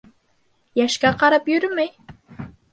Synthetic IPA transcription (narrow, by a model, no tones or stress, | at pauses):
jɛʃkʲɑqʰɑɾɑpjyɾmɪj